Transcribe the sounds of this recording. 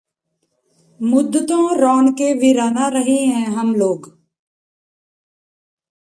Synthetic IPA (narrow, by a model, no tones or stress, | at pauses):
mʊd̪ʱːət̪õːɾɔːɳkeʋɪɾaːnaɾəɦeɦɛ̃ɦəmloːɡ